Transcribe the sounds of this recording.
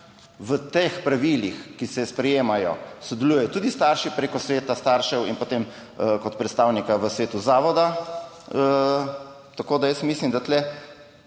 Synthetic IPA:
ʋət̪expɾaʋilixkisɛspɾɛjeːmajɔ̰sɔd̪ɛlujɛjɔt̪uːd̪ist̪aɾʃipɾeːkɔsʋeːt̪ast̪aːɾʃɛwinpot̪em | kɔt̪pɾɛt̪st̪aːwnikaʋəsʋeːt̪uzaːʋɔd̪a | ə | t̪akoːd̪ajəsmislimd̪at̪lɛ

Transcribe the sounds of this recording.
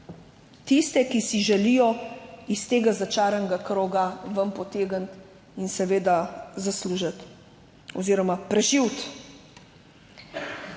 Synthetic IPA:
t̪ist̪ɛkisiʒɛlijɔist̪eːɡazat͡ʃaːɾanɡakɾoːɡaʋəmpɔt̪eːɡənt̪ | insɛʋeːd̪azasluːʒat̪ | ɔziːɾɔmapɾɛʒiwt̪

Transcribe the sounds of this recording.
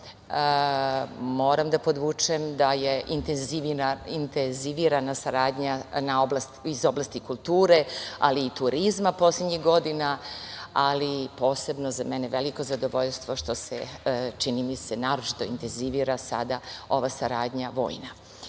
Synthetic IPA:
mo̞ːɾamd̪apo̞d̪ʋuːt͡ʂemd̪ajeʔint̪enziʋinaint̪enziʋiɾanasaɾaːd̪ɲanaoblast̪izo̞blˠast̪ikulˠt̪uːɾe̞aliːt̪uɾizmapo̞slʲed̪ɲiɣɡo̞d̪ina | alipo̞ːse̞bno̞zameneʋeliko̞zad̪o̞ʋoʎst̪ʋo̞ʃt̪o̞sḛt͡ʃinimisenaːɾot͡ʃi̥t̪o̞ḭnt̪enziʋiːɾasa̰d̪ao̞ʋasaɾaːd̪ɲaʋo̞̰ːjna

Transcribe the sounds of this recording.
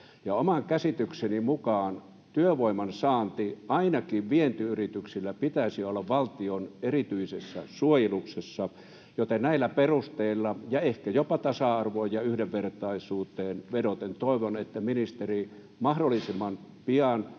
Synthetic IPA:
jɑomɑŋkæsit̪yksenimukɑːn | t̪yøʋoimɑnsɑːnt̪iɑinɑkiːʋʋient̪yyrit̪yksilːæpit̪æisiolːɑʋʋɑlt̪ionerit̪yisesːɑ̰suojeluksesːɑ | jot̪ennæilːæperust̪eilːɑjɑehkæjopɑt̪ɑsɑɑrʋojɑyhdeʋʋert̪ɑisuːt̪ˑeːnʋedot̪ent̪oˑiʋonet̪ːæminist̪eri | mɑhdolːˑisimːɑn | piɑn

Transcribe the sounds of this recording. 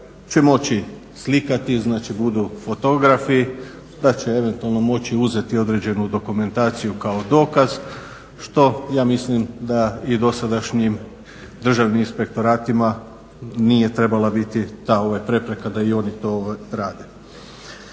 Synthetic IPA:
t͡ʃe̞mo̞t͡ɕi | slikat̪iznaːt͡ʃibud̪ufo̞t̪o̞ɡɾafi | d̪at͡ʃee̞ʋe̞nt̪ualˠno̞mo̞t͡ɕiuze̞t̪io̞d̪ɾe̞d͡ʑe̞nud̪o̞kume̞nt̪aːt̪sijukao̞d̪o̞ːkaz̥ | ʃt̪o̞jaːmislimd̪aid̪o̞sad̪aʃɲim | d̪r̩ʒaʋniminspe̞k̚t̪o̞ɾaːt̪ima | nije̞t̪ɾe̞balabit̪it̪aːo̞ʋajpɾe̞pɾe̞kad̪aio̞nit̪o̞ʋaɾaːd̪e̞

